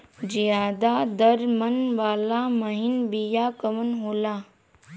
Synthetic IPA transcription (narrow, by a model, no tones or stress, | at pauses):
d͡ʒijaːd̪aːd̪əɾmənʋaːlamɐɦɪnbijaːkəmənɦoːlaː